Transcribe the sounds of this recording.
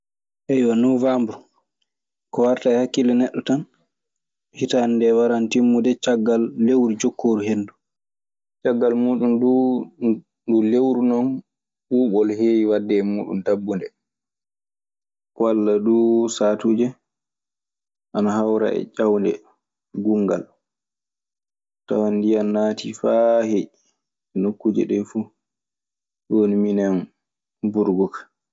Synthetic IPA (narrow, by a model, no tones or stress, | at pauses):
ʔɛjwanuvambu | kɔwaɾtaɛhakːilɛnɛɗːɔtan | hitandɛwaɾantimːudɛt͡ʃaɡːalːewɾid͡ʒokʰːoːɾuɦenːdu | t͡ʃaɡːalmuːɗundu | dulewɾunɔn | ɓuːɓɔlheːwiwadːɛmuːɗṵntabːundɛ | kwalːaɗusatud͡ʒɛ | ʔanaɦawɾa̰ɛ̰t͡ʃawndɛ̰ | ɡuŋɡa̰l | ta̰wandijanːaːtʰifahe | ɛnokːud͡ʒɛ̰ɗɛfu | ɗwoniminan | buɾɡɔkḁ